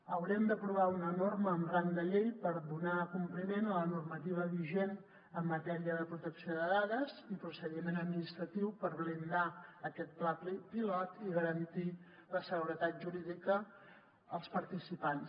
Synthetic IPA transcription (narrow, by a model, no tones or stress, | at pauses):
əwɾɛmd̪əpɾuβ̞aunənorməːmrand̪əʎejpəɾðunakumplimenələnurmət̪iβ̞əβiʒen | əmːət̪ɛɾiəðəpɾut̪əksioðəðaðəzipɾusəðimenəd̪̚minist̪ɾət̪iwpəɾβlind̪aəkɛt̪̚plapipilɔt̪iɣəɾənt̪i | ləsəɣuɾət̪at̪̚ʒuɾiðikəː | lˠspəɾt̪isipans